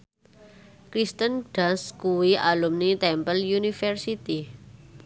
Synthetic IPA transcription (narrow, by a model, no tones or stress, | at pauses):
kɾist̪ənɖ̥askuwiʔalumnit̪ɛmpəljunifɛrsit̪i